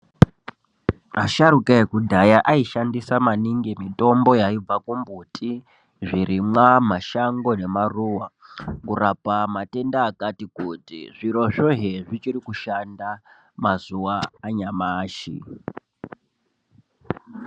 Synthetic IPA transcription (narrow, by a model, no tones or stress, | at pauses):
aʃaɾukaekudʱajaʔaiʃandisamaniŋɡemito̞mbo̞jaib͡vakumbutʰi | ʐiɾimwamaʃaŋɡo̞ne̞maruwakurapamate̞ndaːkatikutḭʐiɾo̞ʐoɦeʐit͡ʃiɾikuʃanda | mazuwaːɲamaːʃḭ